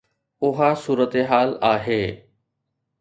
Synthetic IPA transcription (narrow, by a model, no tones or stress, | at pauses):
ʊɦasuːɾət̪eɦaːlaːɦeː